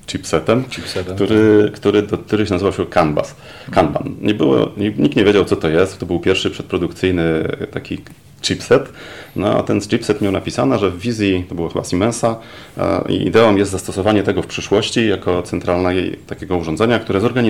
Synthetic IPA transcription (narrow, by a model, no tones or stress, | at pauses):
t͡ʂipsɛt̪ɛmkt̪uɾɘkt̪uɾɘd̪ɔk̚t̪uɾɘɕɛnazɘvawɕɛkanba̰s | kanba̰nɲɛbɘwɔ̰ɲiɲik̚t̪ɲevʲjed͡ʑawt̪sɔt̪ɔjɛst̪t̪ɔbɘwpʲjɛɾfʂɘpʂɛt̪̚pɾɔd̪ukt̪sɘjnɘt̪akʲi | t͡ʂipsɛt̪nɔa̰t̪ɛnst͡ʂipsɛt̪mjawnapʲisanɛʐɛvːʲizʲjit̪ɔbɘwaxɘbasimɛnsa̰ | ḭḭd̪ɛɔmjɛst̪zast̪ɔsɔvaɲɛt̪ɛɡɔfpʂɘʂwɔɕt͡ɕijakɔt̪sɛnt̪ɾalnɛt̪akʲeɡɔuʐɔnd̪zɛɲakt̪uɾɛzɔɾɡaɲi